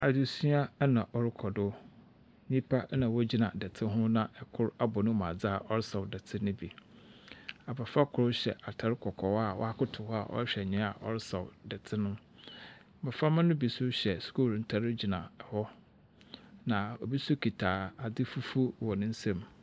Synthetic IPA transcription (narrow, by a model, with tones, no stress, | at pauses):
a˨du˨su˦a˦nã˨ʔɔ˨ɾɪ˦kʰɔ˨dʊ˦ | nĩ˦pʰa˦nã˨wɔ˦d͡ʑi˦nã̰˨dɛ˨tʰɪ˦ɦʊ̃˦nã˦ʔɛ˨kʰʊ˦ɾa˦bɔ˨nʊ̃˦mã̰˨d͡za˦˨ʔɔ˦ɾɪ˦sɔ˨wdɛ˨tʰɪ˦nʊ̃˦bi˨ | a˨ba˨fa˦kʰʊ˨ʊ˦ɕɛ̰˨ʔa˨tʰa˨ɾɪ˦kʰɔ˨kʰɔ˨wa˨wɔ̰˦a˦kʰʊ˦tʰʊ˨hɔ˦a˨ʔɔ̰˦ɕᶣɛ˨ɲɪ̃˦a˨ʔɔ̰˦ɾɪ˦sɔ̰˨wdɛ˨tʰɪ˦nʊ̃˦˨ | ba˨fa˦mã˦nʊ̃˦bi˨sʊ˦ɕɛ˨sku˦˨ln̩˨tʰa˨ɾɪ˦d͡ʑi˨nã˨ɛ˨hɔ˦ | nã˨ɔ˨bi˦su˦kʰi˨tʰaː˨a˨dɪ˦fu˦fu˦wɔ˨nʊ̃˦n̩˦sɛ̃˦˨m